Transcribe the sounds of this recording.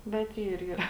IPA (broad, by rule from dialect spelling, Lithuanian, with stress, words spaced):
bʲɛt ˈiːr iːˈrɐ